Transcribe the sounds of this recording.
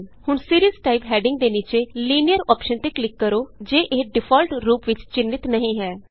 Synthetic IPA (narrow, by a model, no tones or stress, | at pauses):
hʊɳsiːɾiəzʈaːɪpɦɛːɖɪ̃ŋɡ̚d̪eːniːt͡ʃeːliːnijəɾɔːpʃənt̪eːklɪkːəɾoːd͡ʒeːʔeːɖɪpʰɔːlʈɾuːpʋɪt͡ʃt͡ʃɪnːɪt̪nəɦĩːɦɛː